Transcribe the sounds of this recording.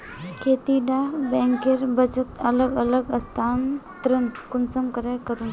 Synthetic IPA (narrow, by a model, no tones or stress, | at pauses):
kʰet̪iɖabɛ̃ŋkeɾbət͡ɕət̪ələɡələɡəst̪ʰant̪ɾənkunt͡səmkəɾajkəɾuːn